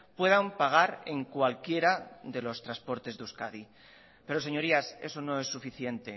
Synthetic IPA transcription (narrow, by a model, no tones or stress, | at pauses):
pwe̞ðampaɣ̞aɾe̞ŋkwalkje̞ɾaðe̞lo̞st̪ɾaspo̞ɾt̪e̞zðeuskaði | pe̞ɾose̞ɲo̞ɾiase̞̰so̞nõ̞e̞sːufiθje̞nt̪e̞